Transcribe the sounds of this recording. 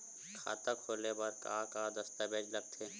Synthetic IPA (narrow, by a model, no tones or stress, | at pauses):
kʰa̰ːt̪akʰoːlebɐɾkaːkaːd̪ɐst̪abeːd͡ʒlɐɡ̚t̪ʰeː